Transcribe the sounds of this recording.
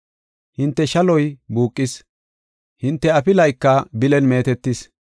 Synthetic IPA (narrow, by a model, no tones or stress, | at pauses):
hɪnt̪ːɛʃɐlɔjbuːkʼːɪs | hɪnt̪ːɛɐpɪlɐjkːɐbɪlɛnme̞ːt̪ɛt̪ːɪs